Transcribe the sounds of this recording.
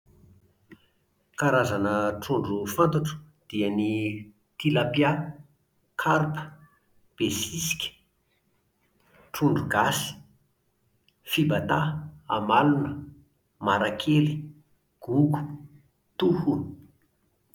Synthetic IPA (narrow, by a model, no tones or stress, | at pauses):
kaɾazanəʈ͡ʂuɳɖ͡ʐufant̪aʈ͡ʂu̥ | d̪̥iəni | t̪ilapja | kʰaɾpə̥ | b̥esisi̥kʲə̥ | ʈ͡ʂuɳɖ͡ʐuɡasi̥ | fibat̪aamalunə | maɾakʰeli̥ | ɡ̥uɡu̥ | t̪uhun